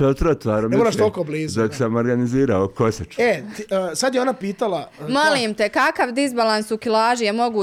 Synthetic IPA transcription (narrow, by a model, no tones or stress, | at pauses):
eot̪ɾot̪ʋaːɾnomɛmolaʃt̪okoːbliːzd̪oksamoɾɡaniziːɾaokosat͡ʃet̪ːsad̪jeo̞napiːt̪alamoliːmt̪ekakaʋd̪izbalansukilaːʒujemo̞ɡuː